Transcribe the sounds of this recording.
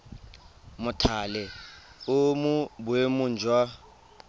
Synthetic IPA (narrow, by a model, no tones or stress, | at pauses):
mʊtʰalɛʊmʊbʊemʊn̩d͡ʒʱwa